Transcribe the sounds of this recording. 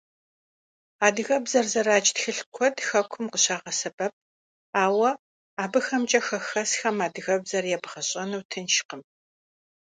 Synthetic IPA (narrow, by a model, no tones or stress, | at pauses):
aːdɨɣɐbzɐrzɐraːt͡ʃʼtxɨɬkʷʰɔdxɐkʷʰʊmqəɕaːʁɐsɐbɐp̚ | aːwɐ | aːbɨxɐmt͡ʃʼɐxɐxɐsxɐmaːdɨɣɐbzɐrjɛbʁɐɕʼɐnɨwtʰɨnʃqəm